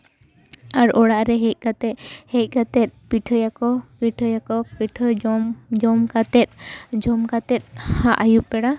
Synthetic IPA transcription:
aɾɔɽaʔɾɛɦɛc̚ˀkat̪ɛhɛc̚ˀkat̪ɛt̪̚piʈʰəjakɔpiʈʰəjakɔpiʈʰəmd͡ʒɔmkat̪ɛt̪̚d͡ʒɔmkat̪ɛt̪̚ˀhaʔajup̚bɛɽa

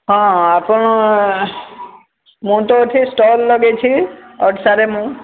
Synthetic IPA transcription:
ɦɔ̃apɔɳ̃ɔ | mũt̪ot̪ʰisʈɔlːɔɡet͡ʃʰiɔɖsaɾemũ

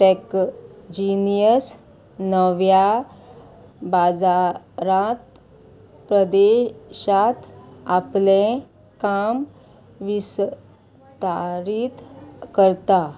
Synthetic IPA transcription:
ʈɛkd͡ʑinijəs | nəʋja | bad͡za | ɾãt̪ | pɾəd̪eɕat̪aplẽ | kam | ʋis | t̪aɾit̪kəɾt̪a

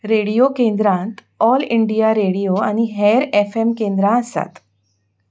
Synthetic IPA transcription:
ɾeɽijokẽnd̪ɾãnt̪ | ɔliɳɖijaɾeɽijoañiɦeɾefemkẽnd̪ɾãəst̪a̰t̪

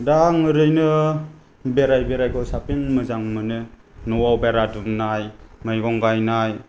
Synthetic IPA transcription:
daŋɯɾɯjnɯ | beɾajbeɾajɡɔsapiŋmɯzaŋmɯnɯ | nɔwawbeɾadumnajmajɡɔŋɡajnaj

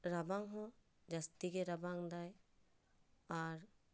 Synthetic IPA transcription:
ɾabaŋɦɔ̃ | d͡ʒast̪iɡɛɾabaŋd̪aj | aɾ

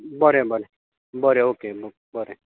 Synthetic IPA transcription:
bʌɾẽbʌɾẽ | bʌɾeoːkeb | bʌɾẽ

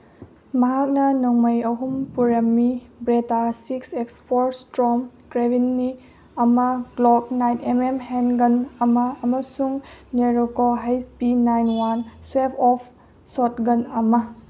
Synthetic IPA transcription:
mɐɦak̚nɐnɔŋmɐjɐɦumpuɾɐmːibɾetasiksekspʰɔɾstɾɔm | kɾebinːi | ɐmɐɡlɔb̚najnememhenɡɐnɐmɐɐmɐsuŋneɾokoɦajspinajnwanswepʰɔpʰ | sɔtɡɐnɐmɐ

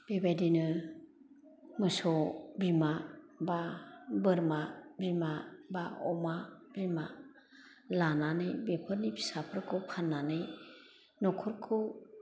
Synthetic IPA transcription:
b̥ebajdinɯ | mɯsɔbimababɯɾmabimabaɔmabima | lananɯjbepʰɯɾnipʰi̥sapʰɯɾkʰɯpʰanːanɯj | nɔkʰɔɾkʰɯ

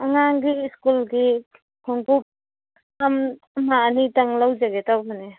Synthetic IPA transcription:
aŋaŋɡiskulɡi | kʰɔŋkup̚ | am | manitaŋlawd͡ʒaɡetawbane

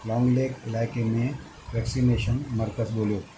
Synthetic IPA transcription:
lɔ̃ːŋɡleːkɪlaːɪkemẽ | ʋɛːksineːʃənmɐɾkəzboːljoː

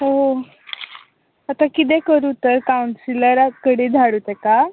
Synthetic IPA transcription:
ɦoɦo | at̪akit̪̬ekəɾut̪əɾkauɳsiləɾakəɽid̪ʱaɽuːt̪eka

